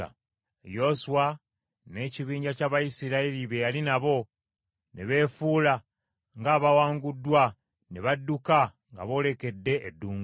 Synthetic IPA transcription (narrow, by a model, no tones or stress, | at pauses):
a̰ | jo̞suwa | ne̞ciβiːɲɟacaβajisiɾailiβe̞jalinaβo̞ | neβe̞ːfuːla | ŋɡaːβawaːŋɡudːwa | ne̞βadːuka | ŋɡa̰βo̞ːle̞ke̞dːe̞ʔedːuːŋɡ